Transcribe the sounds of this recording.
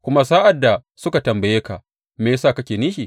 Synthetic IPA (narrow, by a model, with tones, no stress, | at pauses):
kʷʊ˦ma˦saː˦ʔa˨dːa˨ | sʊ˦ka˨tɐ˨mbɐ˨jeː˦ka˨ | meː˨˦saː˦˨kɐ˦kʲeː˨niː˦ʃi˨